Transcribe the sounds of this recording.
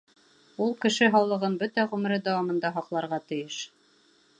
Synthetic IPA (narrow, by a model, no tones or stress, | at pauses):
ulˠkɘ̆ʃɘɦɑwlˠɤ̆ʁɤnbɵt̪æʁʉmɘ̆ɾɘd̪æwɑmɤ̆nd̪ɑɦɑqlˠɑɾʁɑt̪ɘ̆jɘʃ